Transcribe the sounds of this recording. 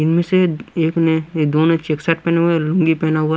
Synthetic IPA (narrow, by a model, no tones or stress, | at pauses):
ɪnmẽseeːkned̪oːnõt͡ʃeːksaːʈ̚pɛːneɦuelʊ̃ŋɡipɛːnaɦʊa